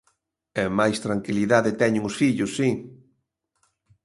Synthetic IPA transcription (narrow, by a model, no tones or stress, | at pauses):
ɛmajst̪ɾaŋkiliðaðɪt̪ɛɲʊŋʊsfiʎʊsːi